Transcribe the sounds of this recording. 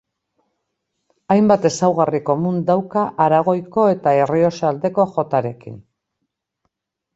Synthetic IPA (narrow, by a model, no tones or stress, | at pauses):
ajmbat̪e̞sawɣariko̞mund̪awkaʔaɾaɣ̞o̞jko̞e̞t̪ae̞rio̞sald̪e̞ko̞ʝo̞t̪aɾe̞kḭn